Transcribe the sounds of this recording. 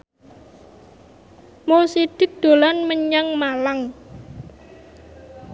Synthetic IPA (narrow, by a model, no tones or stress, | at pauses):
mosid̪̥ɪ̤k̚d̪̥o̤lanməɲaŋmalaŋ